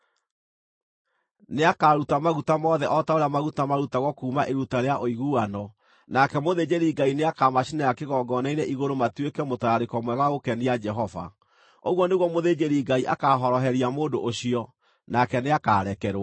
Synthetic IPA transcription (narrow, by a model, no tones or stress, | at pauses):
neakaːɾutamaɣutamɔðɛʔɔtaoɾejamaɣutamaɾutaɣɔkuːmaʔeɾutaɾeaʔoiɣuanɔ | nakɛmoðed͡ʒeɾiɡaineakaːmaɕinajakeɣɔɡɔnaiɾɛʔiɣoɾomatwekɛmotaɾaɾekɔmwɛɣaɣokɛniad͡ʒɛɦɔva̰ | oɣwɔneɣwɔmoðed͡ʒeɾiɡaiʔakaːɦɔɾɔɦɛɾiamoːndoʔoɕiɔ | nakɛneakaɾɛkɛɾ